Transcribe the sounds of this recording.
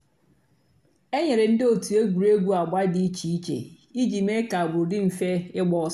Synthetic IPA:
ɛ˦ɲɛ˨ɾɪ˨n̩˦dɪ˦o˨tʰu˨e˦ɡu˨ɾe˦ɡʷu˦a˨ɡ͡ba˦dɪ˦t͡ɕʰi˨˦t͡ʃʰḛ˨ | i˦d͡ʒi˨me˦ka˨bʊ˨ɾdɪ˦m̩˨fɛ˦ɪ˦ɡ͡bɔ˦

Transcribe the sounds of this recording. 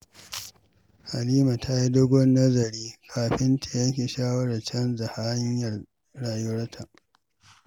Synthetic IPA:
ha˨liː˦ma˨tʰa˦ji˦dʊ˦ɡʷʊ˦nːɐ˦zɐ˨ɾiː˦kʰaː˨ɸɪ˦nte˨jɐ˦ŋkʲe˨ʃaː˦wɐ˦ɽɐ˨t͡ʃɐ˦nza˨ha˦ɲjɐ˨r | ɽaː˨ju˦ɾɐ˦tʰa˨ʔ

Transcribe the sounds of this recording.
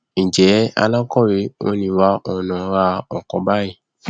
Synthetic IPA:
nĩ˨d͡ʒɛ˨˦a̰˧la˦kɔ˦˨ɾe˨˧˦wo˧˦nĩ˧wa˦ʔɔ˧nã˨˦ɾa˧ɔ˨kɔ̃˨˦ba˦je˦˨

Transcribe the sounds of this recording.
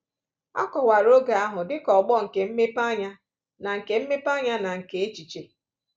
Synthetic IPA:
a̰˦kɔ˨wa˨ɾo˦ɡa˨a˦ɦʊ˨dɪ˦kɔ˨ɡ͡bɔ˦ŋ̩˨ke˨m̩˦me˦pa˦ɲa˦ | na˨ŋ̩˨ke˦m̩˦me˦pa˦ɲa˦na˨ŋ̩˨ke˨e˦t͡ʃi˨t͡ʃe˨

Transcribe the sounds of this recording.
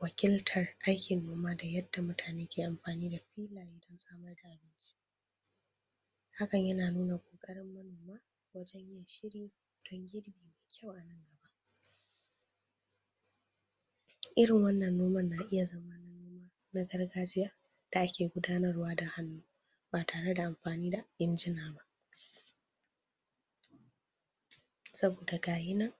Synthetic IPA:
wɐ˨kʲɪ˦ltʰɐ˨rʔa˦jkʲɪ˨nːoː˦maː˦da˨jɐ˦d̥ːa˨mʊ˦tʰaː˨neː˦kʲeː˨ʔa˨mɸaː˨niː˦da˨ɸiː˦laː˨ɾi˦dɔ˦nsaː˦mɐ˦rda˨ʔa˨bɪ˦nt͡ʃʰʲi̥ː˦ | ha˦kɐ˨ɲjɐ˦naː˨nuː˦na˨kʷʼoː˨kʼɐ˦ɾɪ˦mːɐ˦noː˨maː˦ | wɐ˦d͡ʒɛ˦ɲ˦a˨ʃɪ˦ɾiː˦˨d̥ɔ˦ŋɡʲɪ˦ɽbiː˨meː˨kʲʰa˦wʔa˨nɐ˦ŋɡɐ˨ba˦ʔ | ʔɪ˦ɾɪ˨ŋwɐ˦nːɐ˨nːoː˦mɐ˦nːaː˨ʔɪ˦ja˨zɐ˦maː˦na˦nː˦a˦ | na˦ɡɐ˦rɡaː˦d͡ʒɪ˦ja˦ | d̥a˨ʔa˦kʲʰeː˨ɡʷʊ˦daː˦nɐ˦rwaː˦da˨ha˦nːuː˦ | baː˨tʰaː˨ɽe˦da˨ʔa˨mɸaː˨niː˦da˨ʔɪ˦nd͡ʒɪ˦naː˨ba˦ʔ | sɐ˦boː˨da˨ɡaː˨jɪ˦nɐ˦ŋ

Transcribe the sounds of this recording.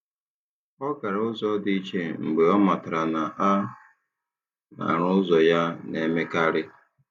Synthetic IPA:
ɔ˦ka˨ɾʊ˦zɔ˦di˦t͡ʃe˦m̩˨ɡ͡be˨ɔ˦ma˨ta˨ɾa˨na˨a˦ | na̰˨ɾʊ˦zɔ˨ja˦ne˨me˦ka˦ɾɪ˦

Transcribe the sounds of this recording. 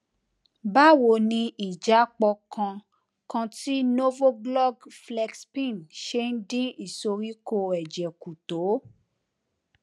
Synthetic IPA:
ba˦wo˨nĩ˧ʔi˨d͡ʒa˨˦k͡pɔ˧kʰã˧ | kã˧ti˦no˦vo˦ɡlɔ˦˨ɡflɛ˧ɡspĩ˦˨nʃe˦n̩˦dĩ˦i˨so˧ɾi˦ko˧ɛ˨d͡ʒɛ˨ku˨to˨˦

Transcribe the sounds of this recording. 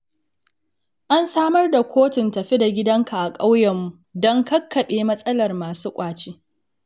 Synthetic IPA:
ʔa˦nsaː˦mɐ˦rda˨kʷʰoː˦tɪ˨ntɐ˨ɸi˦da˨ɡʲɪ˦dɐ˦ŋkʰa˨ʔa˨kʼa˦wjɛ˨mːu˨ | dɔ˦ŋkɐ˦kːɐ˨ɓeː˦mɐ˦sʼɐ˦lɐ˨rmaː˨suː˦kʷʼaː˨t͡ʃiː˦

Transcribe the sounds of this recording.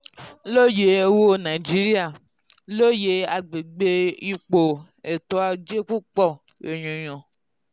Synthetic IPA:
lo˦je˨e˦wo˦nã˨d͡ʒi˦ɾi˦a˦˨ | lo˦je˧a˨ɡ͡be˨ɡ͡be˧i˧k͡po˨ | e˨tɔ˧˦a˧d͡ʒe˦k͡pu˦k͡pɔ˦˨ | e˨ɲ̃ũ˨ɲ̃ɔ̃˨

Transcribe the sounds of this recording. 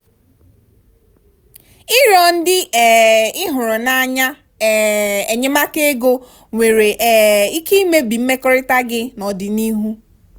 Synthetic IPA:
ɪ˦ɾɔ˨n̩˦dɪ˦ɛ˨ɪ˦ɦʊ˨ɾʊ˨na˨a˨ɲa˦˨ | e˨ɲe˦ma˦ke˦ɡo˦ | ŋʷe˨ɾe˨ʔi˦ki˦i˦me˦bi˨m̩˦me˦kɔ˦ɾɪ˦ta˦ɡɪ˦nɔ˨dɪ˨ni˦ɦu˦

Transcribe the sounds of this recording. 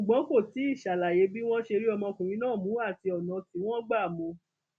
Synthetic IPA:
u˨ɡ͡bɔ̃˨˦ko˦˨ti˨˦i˦˨ʃa˨la˨je˨˦bi˦w̃ɔ̃˦ʃe˧ɾi˦ɔ˧mɔ̃˧kũ˨ɾ̃ĩ˨˦nãː˦˨mũ˨˦a˦˨ti˧ɔ˨nã˨˧ti˨˧w̃ɔ̃˦ɡ͡ba˦˨mõ˧

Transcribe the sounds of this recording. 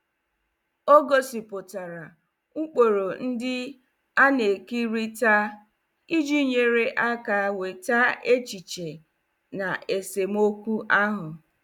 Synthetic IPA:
o˦ɡo˦si˨pʊ˨ta˨ɾa˨ | ŋ̩˦k͡po˨ɾo˨n̩˦dɪ˦ | a˦ne˨ki˦ɾi˦ta˦ | i˦d͡ʒi˦ɲe˨ɾe˦ʔa˦ka˨˦we˨ta˦e˦t͡ʃi˨t͡ʃe˨ | na˨ʔe˨se˨m̩˦o˦kʷu˦ʔa˦ɦʊ˨

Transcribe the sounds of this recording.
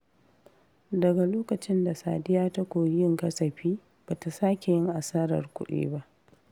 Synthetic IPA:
dɐ˨ɡa˨loː˦kɐ˨t͡ʃɪ˦nda˨saː˨dɪ˦jaː˦ta˦kʷoː˨jɪ˦ŋkɐ˦sɐ˨ɸiː˦ | b̥aː˨ta˨saː˦kʲe˨jɪ˦ŋʔa˨saː˦ɾɐ̰˨rkʷʊ̰˦ɗḛː˦ba˦ʔ

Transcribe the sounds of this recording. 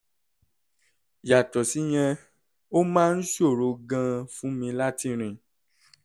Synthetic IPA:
ja˨tɔ˨si˨˦j̃ɛ̃˧ | o˦mãː˦˧n̩˦ʃo˦˨ɾo˧ɡã˧fũ˦mĩ˧la˦ti˧ɾ̃ĩ˨

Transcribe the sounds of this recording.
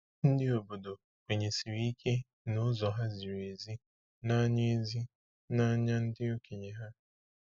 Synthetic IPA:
n̩˦dɪ˦o˨bo˨do˨ | kʷe˨ɲe˨si˨wi˦kʰe˦ | nʊ˦zɔ˨ɦa˦zi˨ɾe˨zi˦ | na˦ɲe˦zi˦ | na˦ɲa˦n̩˦dɪ˦o˦kʰe˨ɲe˨ɦa˦

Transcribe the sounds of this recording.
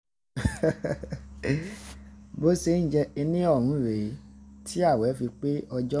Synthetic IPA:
bo˨˦se˧˨˦ñ̩˦˨d͡ʒɛ˧e˧nĩ˦ɔ˦˨ɾ̃ũ˨˦˨ɾe˨˦tʰi˦a˦˨wɛ˨˦fi˧k͡pe˦ɔ˧d͡ʒɔ˦

